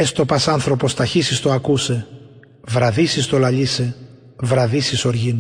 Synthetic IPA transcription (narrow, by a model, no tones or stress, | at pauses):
est̪o̞pɐsɐnθɾo̞po̞st̪ɐçisist̪oɐkuse̞ | vɾɐðisist̪o̞lɐʎise̞ | vɾɐðisisoɾʝin